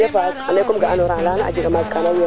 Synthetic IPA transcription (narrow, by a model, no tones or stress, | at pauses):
afakanekumɡaʔanoɾalanaʔa̰d͡ʒiɡamad͡ʒkanawo